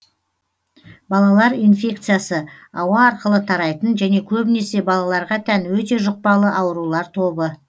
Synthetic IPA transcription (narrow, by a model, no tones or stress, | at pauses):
bɑlˠɑlˠɑɾijnfʲe̞kt̪sɨjasəɑwɑːɾqəlˠət̪ʰɑɾɑjt̪ənʒæne̞kʲʰɵbɪne̞se̞bɑlˠɑlˠɑɾʁɑt̪ʰænwɵt̪e̞ʒʊq̚pɑlˠəʔɑwəɾulˠɑɾt̪ʰo̞bə